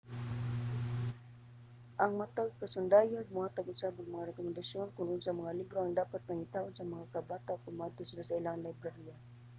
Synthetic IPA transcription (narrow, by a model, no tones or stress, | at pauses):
ʔaŋmat̪aɡkasʊnd̪aːjanmʊhaːt̪aɡʊsabaŋmɐŋaɾɛkʊmɛnd̪asjonkʊnʔʊnsaŋmɐŋalibɾoɐŋd̪aːpat̪̚paŋɪt̪awansamɐŋakabaːt̪akʊmat̪ʊsɪlasaɪlaŋlajbɾahia